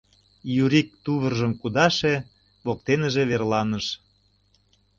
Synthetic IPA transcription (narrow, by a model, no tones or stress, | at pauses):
juɾik̚t̪uβərʒəmkud̪ɑʃe | βok̚t̪enə̆ʒĕβerlɑnəʃ